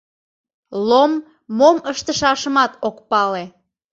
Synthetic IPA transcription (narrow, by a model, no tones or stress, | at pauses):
lomː | oməʃt̪əʃɑʃəmɑt̪okpɑle